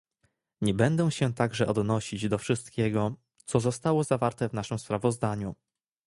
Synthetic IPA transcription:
ɲɛbɛnd̪ɛw̃ɕɛt̪aɡʐɛʔɔd̪nɔɕid͡ʑd̪ɔfʂɘst̪kʲɛɡɔ | t̪sɔzɔst̪awɔzavaɾt̪ɛvnaʂɘmspɾavɔzd̪aɲu

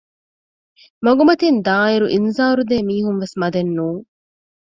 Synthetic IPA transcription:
mɐɡumɐt̪ind̪aːiɾuʔinzaːɾud̪eːmiːɦunʋesmɐd̪enːuːŋ

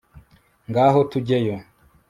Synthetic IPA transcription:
ŋɡaːɦotuɟejo

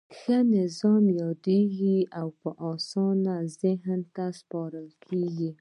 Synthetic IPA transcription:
xənɪzɑmjɑd̪eɡiawpəʔɑsɑnazɪɦnt̪aspɑɾəlkʰeɡi

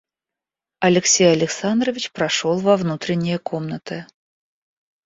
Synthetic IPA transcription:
ɐlʲɪksʲejɐlʲɪksand̪ɾəvʲɪt͡ɕpɾɐʂolˠvɐvnut̪ɾʲɪnʲːɪjəkomnət̪ɨ

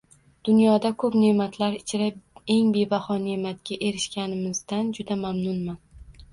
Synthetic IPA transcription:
d̪̥ʊnjɒd̪akʰɵpne̞mat̪ʰlaɾɪt͡ʃʰɪɾae̞ŋbe̞bahɒne̞mat̪̚ɡʲaʔe̞ɾɪʃkʲanɪmɪzd̪and͡ʒʊd̪amamnʊnman

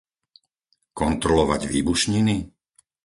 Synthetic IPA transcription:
kɔnt̪ɾɔlɔʋa̰ɟʋḭːbuʃɲini

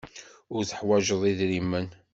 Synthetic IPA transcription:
ʊɾθə̥ħwæʒəðˤiðɾimːən

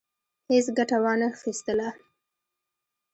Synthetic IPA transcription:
hɪsɡaʈawɑnaxist̪əla

